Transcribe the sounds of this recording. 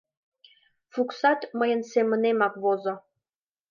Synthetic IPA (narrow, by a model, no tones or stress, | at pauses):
fuksɑt̪məjə̆nsemə̆nemɑkβozŏ